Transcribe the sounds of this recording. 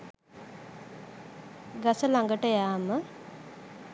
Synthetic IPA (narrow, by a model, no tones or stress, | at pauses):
ɡasəlaŋɡəʈəjaːmə